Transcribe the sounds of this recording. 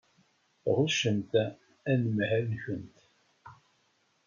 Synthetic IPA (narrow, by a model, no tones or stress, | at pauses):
ʁʊʃənt̪ | ænəmhænçənt̪